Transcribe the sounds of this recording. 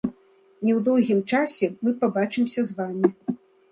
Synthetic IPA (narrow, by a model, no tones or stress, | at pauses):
nʲɛwd̪ɔwɣʲimt͡ʂasʲɛmɨpabat͡ʂɨmsʲɐzvamʲi